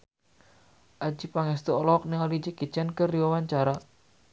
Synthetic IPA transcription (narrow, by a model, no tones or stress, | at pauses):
ʔad͡ʒipaŋɛst̪uɔlɔk̚niŋalid͡ʒəkit͡ʃankəriwawaɲt͡ʃaɾa